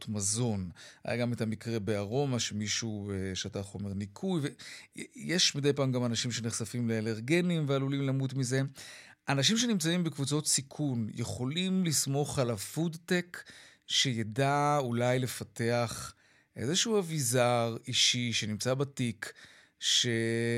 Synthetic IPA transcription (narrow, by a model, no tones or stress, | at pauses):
tmazo̞nha̰jʔa̰ɡame̞tamikʁe̞beaʁo̞maʃemiʃueʃataχo̞me̞ʁnikʰujve | jeʃmidejpaːmɡamanaʃimʃe̞neχsafimleeleʁɡe̞nimvealulimlamutmize̞ʔanaʃ̬imʃ̬e̞nimt͡saimbekvut͡so̞t̪sikʰunjeχo̞limlismo̞χalafudtekʃe̞jadaulajle̞fate̞aχ | ʔezeʃuavizaʁiʃiʃe̞nimt͡sabatik | ʃe̞